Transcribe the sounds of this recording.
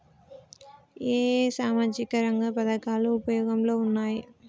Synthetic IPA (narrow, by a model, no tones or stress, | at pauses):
eːsaːmaːd͡ʒikɐɾɐŋɡaːpɐðɐkaːlɐʊpɐjoːɡɐmloːʊnːaːji